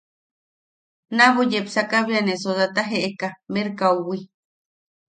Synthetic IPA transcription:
naβojepsakaβianesozat̪aɦeʔekameɾkauwi

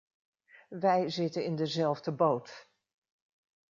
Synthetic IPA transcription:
ʋɛjzɪtənɪndəzɛlˠvdəbowt

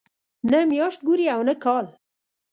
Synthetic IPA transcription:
nɛmjɑːʃt̪̚ɡuɾiɛwnɛkʰɑːl

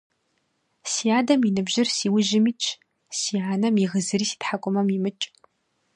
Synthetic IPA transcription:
siaːdɐminɨbʑɪrsiːwʊʒɪmiːt͡ʃʰ | siːaːnɐmiʁəzɨɾiːsi̥tħakʷʼɔmɐmimɨt͡ʃʼ

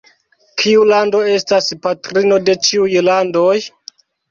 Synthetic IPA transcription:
kʰiulando̞e̞staspatɾino̞de̞t͡ʃiujlando̞j

